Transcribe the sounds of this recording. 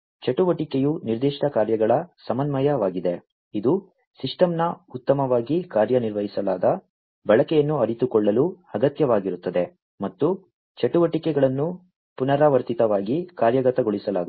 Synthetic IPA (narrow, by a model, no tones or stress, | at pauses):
t͡ʃɐʈuʋɐʈikejuniɾd̪iːʂʈɐkaːɾjɐɡɐɭɐsɐmɐnmɐjɐʋaːɡid̪e̞ | id̪u | siʂʈɐmnɐut̪ːɐmɐʋaːɡikaːɾjɐniɾʋɐɦisɐlaːd̪ɐ | bɐɭɐkɛjɐnːuɐɾit̪ukɔɭːɐlu | ɐɡɐt̪jɐʋaːɡiɾut̪ːɐd̪e̞ | mɐt̪ːu | t͡ʃɐʈuʋɐʈikɛɡɐɭɐnːu | punɐɾaːʋɐɾt̪it̪ɐʋaːɡikaːɾjɐɡɐt̪ɐɡoɭisɐlaːd̪